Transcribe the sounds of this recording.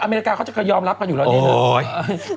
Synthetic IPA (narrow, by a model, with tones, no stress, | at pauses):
ʔaː˧meː˧ɾi˦˥kaː˧kɔ˧˦˥t͡ɕa˨˩kɤː˧jɔː˧mɾa˦˥p̚kʰa˧juː˨˩ɛː˧˥n˦˥˧aː˧˩